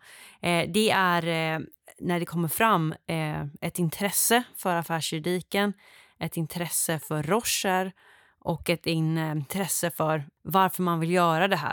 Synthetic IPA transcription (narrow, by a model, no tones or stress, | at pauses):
d̪ɛæɾ | næɖɛkʰɔmːəɾfɾamː | ɛt̪ɪnt̪ʰɾɛsːəfœɾafæːʂjɵɾd̪iːkən | ʔɛt̪ɪnt̪ʰɾɛsːəfœɾːɔʂːəɾ | ʔɔkɛt̪ɪnt̪ʰɾɛsːəfœɾvaɾfœɾmanvɪljœːɾad̪ɛɦæ̰ː